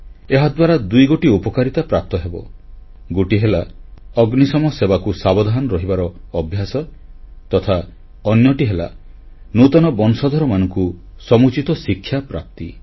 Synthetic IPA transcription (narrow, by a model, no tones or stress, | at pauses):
eɦad̪waɾad̪ujɡoʈiupɔkaɾit̪apɾap̚t̪ɔɦebɔ | ɡuʈiɦelaɔɡnisɔmɔsebakusabɔd̪ʱaɦnɔɾɔɦibaɾɔːbʱjasɔt̪ɔt̪ʰa | ɔnjɔʈiɦela̰ | nut̪ɔnɔbɔnsɔd̪ʱɔɾɔmanɔŋku | sɔmut͡ʃit̪ɔsikʰːjapɾa̰p̚t̪i